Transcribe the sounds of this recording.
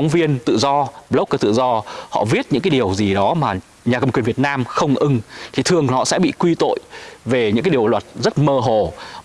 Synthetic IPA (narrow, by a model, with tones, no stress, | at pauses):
wŋ͡mvi˧ənt̪ɨ̰˧˨zɔ˧ɓlə˦˥k͡pkə˨˩t̪ɨ̰˧˨zɔ˧hɔ̰˧˨vi˦˥ət̚ɲɨ̰˧˥ŋkaː˨˦jɗi˨˩əwzi˨˩ɗɔ˨˦maː˨˩ | ɲaː˨˩kə˧mkwənvi˨˩ət̚naː˧mxə˧wŋ͡mʔɨ˧ŋt̪ʰi˨˩t̪ʰɨ˨˩əŋhɔ̰˧˨sɛ̰˧˥ɓḭ˧˨kwi˧t̪o̰˧˨jve˨˩ɲɨ̰˧˥kaː˨˦jɗi˨˩əwlwə˨˩t̚zə˦˥t̚məː˧ɦo˧˨˩